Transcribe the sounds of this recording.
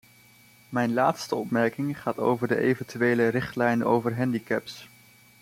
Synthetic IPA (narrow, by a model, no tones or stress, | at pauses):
mɛjnlaːtstəɔpmɛɹkɪŋχaːto̰wvəɹdəʔejvəntyʋejlərɪχtlɛjno̰wvəɹɦɛndikɛps